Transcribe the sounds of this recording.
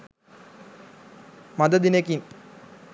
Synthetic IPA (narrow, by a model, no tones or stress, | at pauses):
mɐd̪ɐd̪inekːin